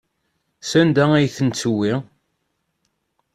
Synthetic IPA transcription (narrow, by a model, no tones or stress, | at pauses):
sænd̪ææjθənt͡sːəwi